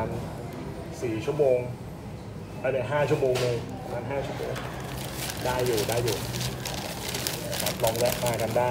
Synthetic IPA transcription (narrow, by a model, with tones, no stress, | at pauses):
n | siː˨˩t͡ɕʰu˥˩əmoː˧ŋ | ʔa˧˩laː˧˩ɦaː˥˩t͡ɕʰu˥˩moː˧ŋlɤː˧jmaː˧nɦaː˥˩t͡ɕʰu˥˩əmoː˧ŋl | daː˧˩jːuː˨˩daː˧jːuː˨˩˦ | na˧kʰa˦˥p̚lɔ˧ŋwɛ˦˥ʔ̚maː˧ka˧ndaː˥˩